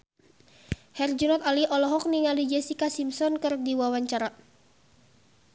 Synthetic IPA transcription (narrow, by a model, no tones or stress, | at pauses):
hɛrd͡ʒunɔt̪aliʔɔlɔɦɔk̚niŋalid͡ʒɛsikasimsɔnkɨrdiwawaɲt͡ʃaɾa